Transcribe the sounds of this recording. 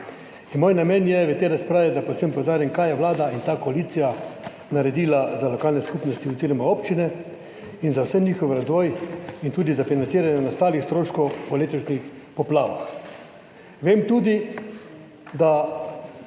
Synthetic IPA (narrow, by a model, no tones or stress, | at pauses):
inmoːjnamɛnjɛʋɛt̪eːɾaspɾaːʋɛd̪aposɛmpowd̪aːɾjankaːjɛʋlaːd̪aint̪aːkɔaliːt̪sija | naɾɛd̪iːlazalɔkaːlnɛskupnɔst̪iuziːɾɔmaopt͡ʃinɛ | inzawsɛnɲiːxɔwɾazʋɔːjint̪uːd̪izafinant̪iːɾanjɛnast̪aːlixst̪ɾoːʃkɔwpɔleːt̪ɔʃnix | pɔpla̰ːʋa̰x | ʋemt̪uːd̪i | d̪a